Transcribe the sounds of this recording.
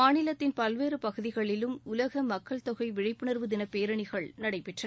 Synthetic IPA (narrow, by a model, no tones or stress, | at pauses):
maːnɪlɐt̪ːɪnpɐlʋeːɾɯpɐɣɯðɪɣɐɭɪlɯmʊlɐɣɐmɐkːɐɭt̪ɔɣɐɪʋɪɻɪpːɯɳɐɾʋɯðɪnɐpeːɾɐɳɪɣɐɭnɐɽɐɪpːɛʈrɐ